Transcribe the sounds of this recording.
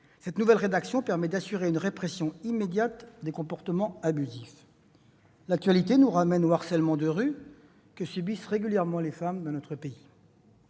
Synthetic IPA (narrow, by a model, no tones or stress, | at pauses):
sɛt̪nuvɛlʁed̪aksjɔ̃pɛʁmɛd̪asyʁeynʁepχɛsjɔ̃imed̪jat̪d̪ekɔ̃pɔʁt̪əmɑ̃abyzif | lak̚t̪ɥalit̪enuʁamɛnoaʁsɛlmɑ̃d̪əʁy | kəsybisʁeɡʲyljɛʁmɑ̃lefamd̪ɑ̃nɔt̪χəpei